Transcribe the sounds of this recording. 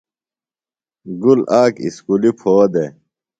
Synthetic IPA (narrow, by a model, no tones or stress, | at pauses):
ɡulaːkḭskulipʰoːd̪e